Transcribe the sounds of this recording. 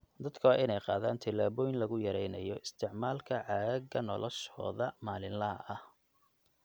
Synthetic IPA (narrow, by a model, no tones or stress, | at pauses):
d̪ɐd̪kʰɐwaːʔɪnɛjqɑːðaːnt̪ʰɪlaːβɔjɪnlɐɣʊjɐɾɛjnɐjɔʔɪst̪ʰɪʕmaːlkʰɐʕɑɐɡɐnɔlɔʃɔ̰ːðɐmaːlɪnlɐɦɐ̰ʔɐh